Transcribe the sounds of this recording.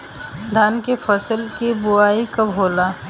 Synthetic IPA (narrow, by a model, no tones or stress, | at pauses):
d̪ʱaːnkefʰəsəlkibʊaːikɐbʱoːlaː